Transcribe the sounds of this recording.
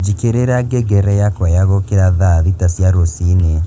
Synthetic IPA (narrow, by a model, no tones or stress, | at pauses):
d͡ʒikeɾeɾaɡeɡɛɾɛjakwajaɣokeɾaðaðitasjaɾosine